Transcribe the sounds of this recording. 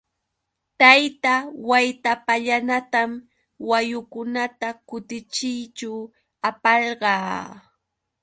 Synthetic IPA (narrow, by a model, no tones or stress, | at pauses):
t̪ajt̪awajt̪apaʎanat̪am | wajʊkʊnat̪akʊt̪ɪt͡ʃɪjt͡ʃaw | apɑɾɢɑː